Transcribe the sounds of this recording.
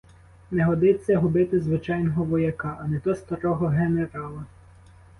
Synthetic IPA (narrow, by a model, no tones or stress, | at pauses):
nɛɦɔd̪ɪt͡sʲːɐɦʊbɪt̪ɪzʋɪt͡ʃɑjnɔɦɔʋɔjɐkɑʔɐnɛt̪ɔst̪ɐɾɔɦɔɦeneɾɑlˠɐ